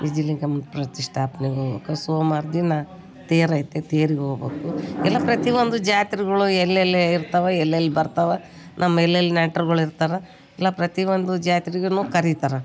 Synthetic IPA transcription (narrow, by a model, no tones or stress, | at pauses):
ʋid͡ʒiliŋkɐmɐpɾɐt̪iʂʈʰaːpɐneɡɦoːɡbḛːkusoːmaːɾd̪inːɐ | t̪eːɾɐjit̪ːet̪eːɾiɡɦoːɡbeːkuɛlːɐpɾɐt̪iʋond̪ud͡ʒaːt̪ɾiɡɐɭuɛlːelːeiɾt̪ɐʋeɛlːelːibɐɾt̪aʋe | nʔɐmːɐɛlːelːinɐːʈːɐɾɡɐɭuiɾt̪aːɾɐ | ɛlːɐpɾɐt̪iʋond̪ud͡ʒaːt̪iɾiɡenuːkɐɾit̪aɾɐ